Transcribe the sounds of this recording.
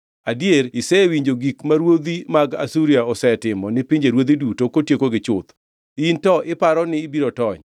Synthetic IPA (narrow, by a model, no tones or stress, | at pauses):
adieɾɪsɛwiɲd͡ʒoɡikmaɾwod̪imaɡa̰suɾiaɔsɛtɪmɔnɪpiɲd͡ʒeɾwod̪idutokotjekoɡɪt͡ʃʊt̪ | intɔʔɪpaɾɔnɪːbiɾotɔɲ